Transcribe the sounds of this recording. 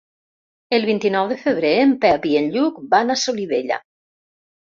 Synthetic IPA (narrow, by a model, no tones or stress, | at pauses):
elˠβint̪inɔwðefəβ̞ɾeempɛβienʎuk̚banasoliβeʎa̰